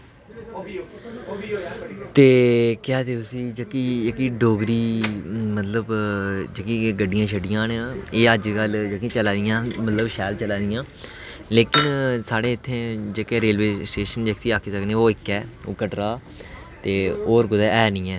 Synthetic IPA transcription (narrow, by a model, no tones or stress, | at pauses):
t̪eːkɪɛːt̪eːt̪ʊsĩːd͡ʒəkiːɪkiːɖoːɡɾiːmət̪ləbd͡ʒəkiːɡəɖɪjãːʃəɖɪjãːneːəd͡ʒkəld͡ʒəkĩːt͡ʃəlãːd̪ijãːmət̪ləbʃɛːlt͡ʃəlãːd̪ɪjãː | leːkɪnsaːɽeːɪt̪ʰːẽːd͡ʒeːkeːɾeːlʋeːsʈeːʃənd͡ʒeːksiːaːkʰeːsəkneːoːɪkːɛːo̰ːkəʈɾaː | t̪eːoːɾɡʊd̪ɛːɛːnĩːɛː